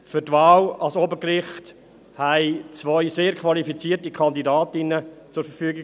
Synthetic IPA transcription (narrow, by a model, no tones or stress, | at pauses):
fʏɾtvaːlɑlsobəkrɪχt | hæɪt͡svœʏseːɾkʰvɑlifit͡siːərtikʰɑndidaːtɪnət͡sʊɾfəɾfyːɡɪ